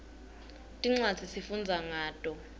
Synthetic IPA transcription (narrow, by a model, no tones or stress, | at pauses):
tʼiŋ͡ǀad̥d͡z̥ʱisifund͡zʱaŋaːtʼɔ